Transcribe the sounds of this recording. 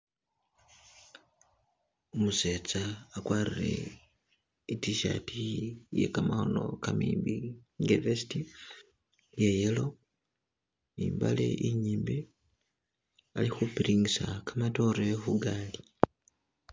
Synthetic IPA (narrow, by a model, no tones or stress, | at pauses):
omuset͡saːkwaːrire̞̰ | itiʃa̰tʰije̞̰kamaho̞no̞kamḭːmbiŋɡevesi̥ti | jejelo̞ | iːmba̰lḛʔiɲiːmbi | alixupiɾiŋisakamato̞ɾe̞xuɡaːli